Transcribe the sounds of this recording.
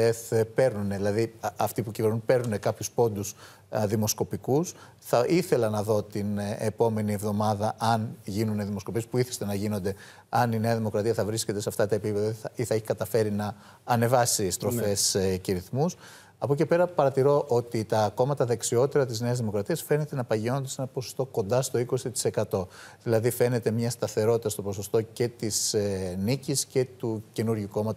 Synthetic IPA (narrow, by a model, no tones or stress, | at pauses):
espe̞ɾnuneðilɐðiɐft̪ipucive̞ɾnupe̞ɾnune̞kɐpçuspo̞nd̪us | ðimo̞sko̞pikus | θɐʔiθe̞lɐnɐðo̞t̪inepo̞me̞nie̞vðo̞mɐðɐʔɐnʝinuneðimo̞sko̞pie̞spuiθi̥st̪enɐʝino̞nd̪e̞ | ɐnine̞ɐðimo̞kɾɐt̪iɐθɐvɾisce̞t̪e̞sɐft̪ɐt̪ɐepipe̞ðɐɐiθɐeçi̥kɐt̪ɐfe̞ɾinɐː | ne̞vɐsist̪ɾo̞fe̞sceɾiθmus | ɐpo̞ce̞pe̞ɾɐpɐɾɐt̪iɾo̞ʔo̞t̪it̪ɐko̞mɐt̪ɐðe̞ksio̞t̪eɾɐt̪̬izne̞ɐzðimo̞kɾɐt̪iɐsfe̞ne̞t̪e̞nɐpɐʝio̞nond̪ese̞nɐpo̞sost̪o̞ko̞nd̪ɐst̪o̞iko̞sit̪i̥se̞kɐt̪o̞ðilɐðife̞ne̞t̪e̞mɲɐst̪ɐθe̞ɾo̞t̪it̪ɐst̪o̞po̞so̞st̪o̞ce̞t̪isnicisce̞t̪uce̞nuɾʝuko̞mɐt̪